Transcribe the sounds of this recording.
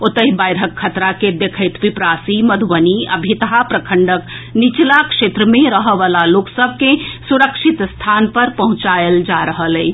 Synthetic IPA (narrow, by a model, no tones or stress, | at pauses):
ot̪əɦibajɾɦəkʰːət̪ɾaked̪ekʰəɪt̪ʋipɾasiməd̪ʱʋəniə̰bʱit̪əɦapɾəkʰəɳɖəknit͡ʃlakʃet̪ɾəmẽɾəɦəʋalaloksəbʱkesuɾəkʃit̪st̪ʰanpəɾpəɦʊ̃t͡ʃaeld͡ʒaɾəɦəlɛi